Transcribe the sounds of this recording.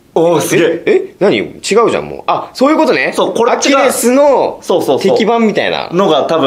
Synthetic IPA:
osɨɡeenaɲ̟ḭt͡ɕiɡaɯ̟ʑã̰mːo̰ːʔasoːjɯ̟kot̪o̞nesoːkoɾakʲiɾesɨno̞soːsoːt̪e̞kʲibãmːʲit̪aḭna̰noɡat̪abɯ̃

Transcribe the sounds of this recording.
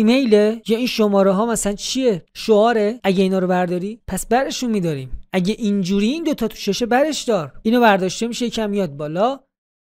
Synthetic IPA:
imejlejɒːinʃomɒːɾeɦɒːmæsænt͡ʃʰieʃoɒːɾeæɟeiːnɒːɾobæɾd̪ɒːɾiːpʰæsbæɾeʃunmiːd̪ɒːɾiːmʔæɟeʔind͡ʒuːɾiːnd̪ot̪ʰɒːt̪ʰu̥ʃeʃebæɾe̞ʃd̪ɒːɾiːnovæɾd̪ɒːʃt̪emiʃejecʰæmːijɒːd̪̚bɒːlɒ

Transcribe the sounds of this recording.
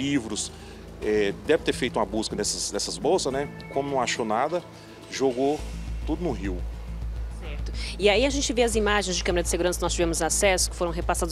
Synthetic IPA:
ivɾʊs | ɛd̪ɛvɪt̪eɾfejt̪ʊũmɐbuskɐd̪ɛsɐzd̪ɛsɐzbowsɐznɛkʷõmʊnɐ̃w̃aʃonad̪ɐ | ʒoɡot̪ud̪ʊnʊɦiw | sɛɾt̪ʊɪaiɐʒẽnt͡ʃɪveɐzimaʒẽj̃zd͡ʒɪkɐ̃meɾɐd͡ʒɪseɡuɾɐ̃sɐnɔst͡ʃivɛmʊzasɛsʊ̥kɪ̥foɾɐ̃w̃ɦepasad̪

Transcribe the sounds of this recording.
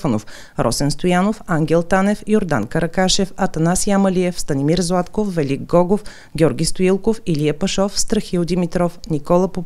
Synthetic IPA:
fənof | ɾʔɔ̰sɛnst̪ojanofaŋɡʲɛlˠt̪anɛfioɾd̪a̰nkəɾɐkaʃɛfɐt̪ɐnasiamɐlʲiɛfst̪ɐnimiɾzwat̪kofːɛlʲiɡɡɔɡof | ɡʲɔɾɡʲist̪oilˠkofiliəpɐʃɔfst̪ɾəxiʊd̪imit̪ɾɔfnikɔlˠɐpo

